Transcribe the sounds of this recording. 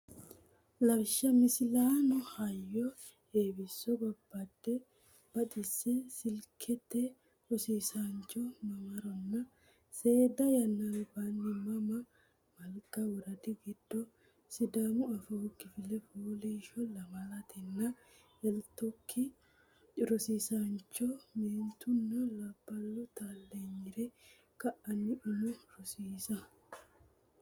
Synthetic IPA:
lɐbʃɐmɪsɪlaːnɔhɐjːɔ | eːbɪsːɔbɐbːaːd̪ːɛ | b̥ɐt̪ɪsɛsɪlkʰɛt̪ːɛ | ɔsiːsaːnt͡ʃɔmɐmɐɾɔnːɐ | se̞ːd̪ɐjɐnːanʊbanːɪmɐmɐ | mɐlkʼɐwɔɾɐd̪ɪɡɪd̪̥ːɔ | sɪd̪amʊɐfoɡɪfɪlɛfoːliʃɔlɐmɐlɐt̪ʰɛnːɐ | ɛlt̪ɔkʰːɪ | ɾɔsiːsant͡ʃːɔmeːnt̪ʊnːɔlɐbːɐlːɔt̪alːeɲːɪɾɛ | kɐʔɐnːɪʔɪnʊɾʊsiːsɐ

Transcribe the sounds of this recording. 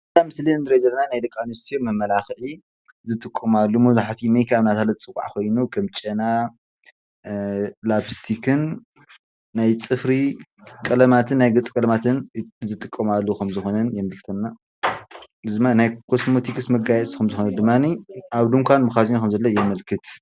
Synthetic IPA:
ɨt̪amɨsliɨnd̪ɨɾɐzɐlːɐnanajd̪ɐkʼːanust̪ʰomɐmːɐlaxʔi | zɨt̪ʼɨkʼːɐmalːumɐβzaħat̪ʰimejkʰaβnat̪ʰalɐt͡sʼɨkʼːa̰ʕkʰo̞jnukʰɐmt͡ʃʼɐna | labst̪ʰikʰɨnː | ajt͡sʼɨfɾikʼɐlɐmat̪ʰɨnːajɡɨt͡sʼkʼɐlɐmat̪ʰɨnzɨt̪ʼɨkʼːɐmalːukɐmzɨxo̞nɐnjɛmɐlkɨ̥t̪ʰɐnːa | ɨzɨmanajkʰo̞smo̞t̪ʰikɨsmɐɡajɛskʰɐmzɨxonɐd̪ɨmːaniʔaβd̪uŋkʷʰanbɨxazinkʰɐmzɐlːɐjɛmɐlkʰɨt̪

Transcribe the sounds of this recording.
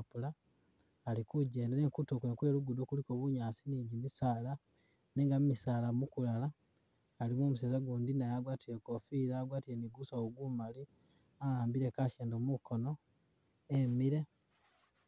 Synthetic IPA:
pulaː | likuɟe̞ːndeɾeːŋkutokweŋkwe̞ːluɡudokulikoβuɲaːsiniːɟimisaːla | neːŋɡamumisaːlamukulalaː | limomus̬eːzaɡuːndinajaɡwaːtiɾe̞ko̞fiːɾaːɡwaːtiɾe̞niɡusaoɡumali | aaːmbiɾe̞kaʃeːndomuko̞no̞ | emiɾe̞

